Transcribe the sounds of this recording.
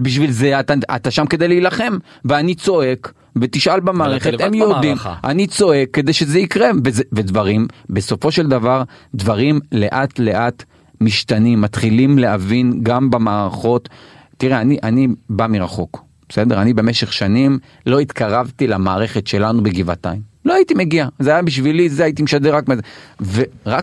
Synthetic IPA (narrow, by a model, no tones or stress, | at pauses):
biʃ̬vilze̞at̪aa̰t̪aʃamke̞d̪ajlilaχe̞m | veanit͡so̞e̞k | vet̪iʃʔalbemaːʁeχemjod̪ima̰nit͡so̞e̞kːe̞d̪ejʃezeikʁe̞vezvedvaʁimbe̞so̞fo̞ʃe̞ld̪avaʁd̪vaʁimle̞ʔat̪le̞ʔat̪ | miʃtanimːat̪χilimleavinɡambamaːʁaχo̞tː | iʁeaniʔanibamiʁaχo̞k | b̥ese̞d̪eʁanibe̞meʃe̞χʃanim | lo̞it̪kaʁavt̪ilamaːʁe̞χetʃe̞lanubeɡiva̰t̪aimloait̪ime̞ɡiazeajabiʃ̬vilizeajit̪imeʃad̪eʁakmezeveʁak